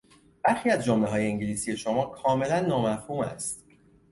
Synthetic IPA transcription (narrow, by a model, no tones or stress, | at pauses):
b̥æɾxiːæzd͡ʒomleɦɒːje̞iŋɟeliːsije̞ʃo̞mɒːkʰɒːme̞lænːɒːmæfhuːmæ̰st̪